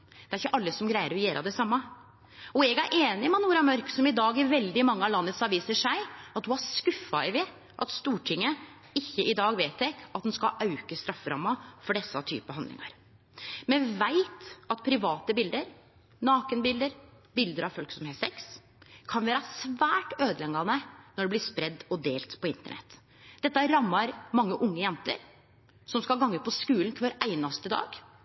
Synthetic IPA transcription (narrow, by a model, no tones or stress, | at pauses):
d̪̥ɛæɾɪçːəʔɑlːəsɔmɡɾæɪəɾɔjeːɾʔɑ̰d̪ɛsɑmːɑ | ɔɛɡæɾʔeːnɪmɛnuːɾɑmœɾksɔmɪd̪ɑːɡɪʋɛld̪ɪmɑŋːəɑlɑnːət̪sɑʋiːsəʂæɪɑt̪̚d̪ʉɑskʉfːɑɪʋeː | ʔɑ̰t̪st̪uːʈʰɪŋːə | ɪçːəʔɪd̪ɑːɡʋeːt̪ɛkɑt̪̚d̪ɛnskɑʔɑʉkəst̪ɾɑfːɾɑ̰mːɑfɔɖɛsːɑt̪ʰy̰ːpəɦɑnd̪lɪ̰ŋɑ̰ɾ | mɛnʋæɪt̪ɑt̪̚pʰɾɪʋɑːt̪əbɪld̪əɾ | nɑːkənbɪld̪əɾ | bɪld̪əɾɑʋfœlksɔmheːsɛks | kʰɑnʋæːɾɑsʋæːʈøːd̪əlɛŋːɑnənɔɖɛblɪspɾɛd̪ːɔd̪eːlt̪pʰɔɪnt̪ə̰ɳɛ̰t̪ː | d̪̥ɛt̪ːəæɾɑmːɑɾmɑŋːəʔʊŋːəjɛnt̪ə̰ɾ | sɔmskɑɡɑŋːəpʰɔskʉːln̩kʰʋɑːɾʔæɪnɑst̪əd̪ɑ̰ːɡ